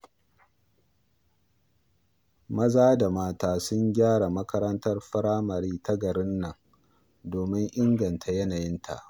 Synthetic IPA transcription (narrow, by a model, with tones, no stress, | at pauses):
mɐ˦zaː˦da˨maː˦taː˨sʊ˦ɲɡʲaː˦ɽa˨mɐ˦kɐ˦ɾɐ˦ntɐ˦rɸɐ˦ɾaː˦mɐ˨ɾiː˦ta˦ɡɐ˨ɽɪ˦nːɐ˨ŋ | doː˨mɪ˦ŋʔɪ˦ŋɡɐ˨ntʰa˨jɐ˦naː˨jɪ˦ntʰa̰˨ʔ